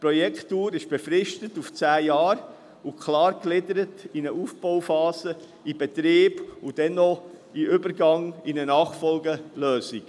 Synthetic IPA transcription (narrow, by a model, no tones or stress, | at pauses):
pɾɔjɛkχtːuːɾɪʃb̥efɾɪʃtətuft͡sæːjɑːɾ | ukʰlɑːɾklɪdəɾətinəʔuːfb̥ɔʊwfɑːzə | ibɛtɾiːb̥ud̥ɛnːɔiʔʏbəɾɡɑŋinənɑːχfɔlɡəlœːzik